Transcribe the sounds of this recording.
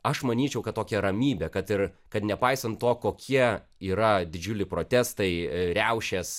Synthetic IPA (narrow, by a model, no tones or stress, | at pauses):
ɐʃmɐnʲiːt͡ʃʲɛʊkɐt̪t̪oːkʲɛɾɐmʲiːbʲekɐt̪ɪrkɐt̪nʲɛpɐɪsɐnt̪t̪oːkoːkʲʰiɛ | iːɾɐd̪ʲɪd͡ʒʲʊlʲɪpɾoːt̪ʲæst̪ɐɪɾʲɛʊʃʲɛs